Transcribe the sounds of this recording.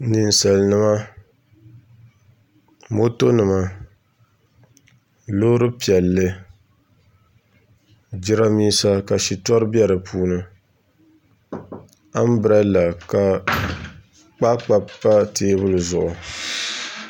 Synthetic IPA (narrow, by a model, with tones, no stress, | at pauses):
nɨ˨n̩˨sa˨lnɨ˦ma˦ | mo˦to˦nɨ˨ma˦ | loː˦ɾɨ˦pi˨ɛ˨lːɨ˦ | d͡ʒɪ˦ɾa˦miː˦sa˦ka˨ʃi˨tɔ˦ɾɨ˦bjɛ˦ɾɨ˨pʰuː˦nɨ˦ | a˦m˦bɨ˨ɾa˦la˨ka˨ | k͡pa˦k͡pa˨pːa˦teː˦bʊ˦lɨ˨zʊ̰˨ʔʊ˨